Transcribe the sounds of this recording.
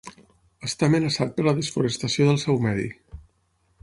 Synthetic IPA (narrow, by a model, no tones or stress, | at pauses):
əst̪aəmənəsat̪̚pəɾləðəsfuɾəst̪əsioðəlˠsɛwmɛðḭ